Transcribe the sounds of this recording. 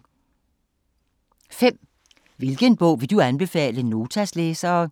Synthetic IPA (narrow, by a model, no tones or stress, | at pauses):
fem̰ | ʋe̝lɡ̥ənb̥ɔ̽ʊ̰ʋe̝d̥uænb̥e̝fɛ̰ːləno̝ːt͡sʰæsleːsɐː